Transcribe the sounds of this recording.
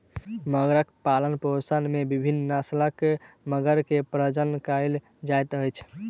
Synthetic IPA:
məɡɾəkpalənposənmebibʱinːnaslək | məɡəɾkepɾəd͡ʒənkajl | d͡ʒajt̪əjt͡ʃʰ

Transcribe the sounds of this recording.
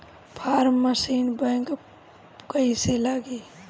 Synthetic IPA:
pʰaːɾməsiːnbə̃ŋk | kəiselaːɡi

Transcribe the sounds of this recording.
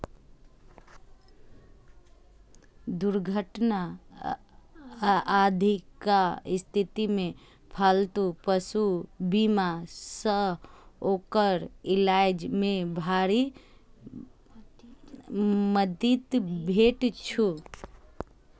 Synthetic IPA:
d̪uɾɡʱəʈna | ad̪ʱikaɪst̪ʰit̪imẽ | pʰalt̪upəsubimasəokəɾɪlad͡ʒmẽbʱaɾi | məd̪it̪bʱeʈt͡ʃʰu

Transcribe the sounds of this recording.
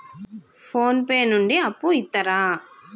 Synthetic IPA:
pʰoːnpeːnuɳɖiɐpːuit̪ːɐɾaː

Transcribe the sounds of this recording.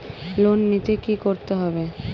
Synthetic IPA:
lonːit̪ekikoɾt̪eɦɔbe

